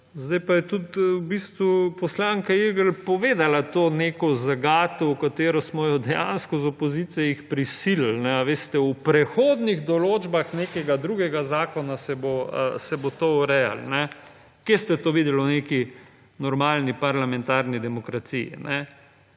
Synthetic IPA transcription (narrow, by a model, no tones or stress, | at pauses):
zd̪ajpajɛt̪ut̪wbiːst̪ʋupɔslaŋkaiɾɡəlpɔʋeːd̪alat̪oːnekɔzaɡaːt̪ɔwkat̪eːɾɔsmɔjɔd̪ɛja̰nskɔzɔpɔzit̪sijɛjixpɾisillnɛaʋeːst̪ɛupɾɛxoːd̪niɣd̪ɔloːd͡ʒbaxnekɛɡad̪ɾuːɡɛɡazaːkɔnasɛboəsɛbot̪oɔɾɛja̰lnɛ | kest̪ɛt̪oːʋid̪ɛlwneki | nɔɾmaːlnipaɾlamɛ̃nt̪aːɾnid̪ɛmɔkɾat̪iḭnɛ